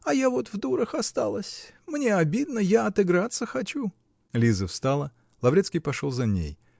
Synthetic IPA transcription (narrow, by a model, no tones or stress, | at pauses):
ɐjavo̞t̪vd̪uɾəxɐst̪alˠəsʲmnʲe̞ɐbʲid̪nəjaɐt̪ɨɡɾat̪səxɐt͡ɕu | lʲizəfst̪alˠə | lˠɐvɾʲet̪skʲijpɐʂolˠzɐnʲḛj